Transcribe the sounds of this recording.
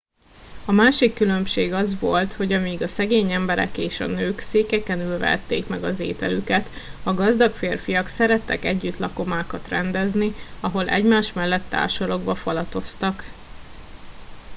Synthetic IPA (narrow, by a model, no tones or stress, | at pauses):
ɒmaːʃikːylø̞mʃeːɡɒzʋo̞lt̪ho̞ɟɒmiɡɒsɛɡeːɲɛmbɛɾɛ̰keːʃɒ̰nøːkseːkɛkɛnylvɛ̰t̪ːeːkmɛɡɒzḛːt̪ɛlykɛt̪ɒɡɒzd̪ɒkfeːrfijɒksɛɾɛt̪ːɛ̰kɛɟːyt̪lɒko̞maːkɒt̪rɛnd̪ɛzniɒɦo̞lʔɛ̰ɟmaːʃmɛlːɛt̪ːa̰ːrʃɒloɡbɒfɒlɒt̪o̞st̪ɒk